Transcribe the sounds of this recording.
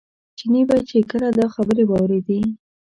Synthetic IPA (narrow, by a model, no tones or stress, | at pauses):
t͡ʃinibajt͡ʃekəlad̪ɑxabəɾebɑwɾed̪i